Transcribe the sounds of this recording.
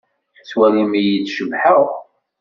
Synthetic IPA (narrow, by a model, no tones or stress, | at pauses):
t͡sːwælimijid̪ʃəvħəʁ